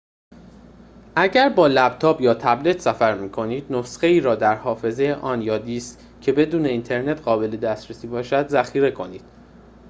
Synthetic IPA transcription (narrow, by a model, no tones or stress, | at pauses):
ʔæɟæɾbɒːlæbt̪ʰɒːbjɒːt̪ʰæble̞t̪ʰsæfæɾmiːkʰo̞niːd̪nosxe̞iːɾɒːd̪æɾhɒːfe̞zejeʔɒːnjɒːd̪iːst̪ | cʰe̞be̞d̪uːne̞iːnt̪ʰe̞ɾne̞t̪ɢɒːbe̞le̞d̪æst̪ɾesiːbɒːʃæd̪zæxiːɾe̞kʰo̞niːd̪̥